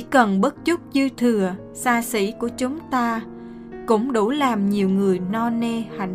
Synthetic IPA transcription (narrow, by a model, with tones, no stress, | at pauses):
kə˨˩nɓə˦˥t̚t͡ɕʊ˦˥k͡p̚t͡ɕɨ˧t̪ʰɨ˨˩ə | saː˧sḭ˧˥ku˧˩ət͡ɕʊ˨˦ŋ͡mt̪aː˧ | kʊ̰˧˥ŋ͡mɗo˧˩˦laː˨˩mɲi˨˩əwŋɨ˨˩əjnɔ˧ne˧ha˧˩ŋ